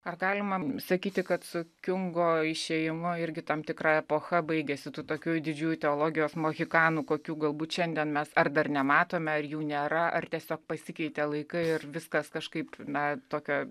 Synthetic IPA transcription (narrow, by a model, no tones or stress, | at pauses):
ɐrɡɑːlʲɪmɐsɐkʲiːt̪ʲɪkɐt̪sʊkʲʊŋɡoːɪʃʲeːjɪmʊɪɾʲɡʲɪt̪ɐmt̪ʲɪkɾɐɛpoːxɐbɐɪɡʲɛsʲɪt̪uːt̪oːkʲuːjd̪ʲɪd͡ʒʲuːjut̪ʲɛoːlˠoːɡʲɪjoːsmoːɣʲɪkɑːnuːkoːkʲuːɡɐlˠbuːt̪ʃʲɛnʲd̪ʲiɛnmʲɛsɐrd̪ɐrnʲɛmɑːt̪oːmʲɛɐrjuːnʲeːɾɐʔɐ̰rt̪ʲiɛsʲoːk̚pɐsʲɪkʲɛɪt̪ʲɛlˠɐɪkɐɪɪrʋʲɪskɐskɐʃkɐɪpnɐt̪oːkʲoː